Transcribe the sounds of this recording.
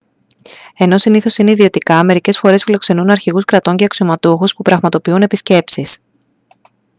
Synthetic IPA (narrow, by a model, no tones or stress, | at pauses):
e̞no̞siniθo̞sineiðio̞t̪ikɐme̞ɾice̞sfo̞ɾe̞sfilo̞kse̞nunɐɾçiɣuskɾɐt̪o̞ɲce̞ɐksiomɐt̪uxuspupɾɐɣmɐt̪o̞piune̞pisce̞psis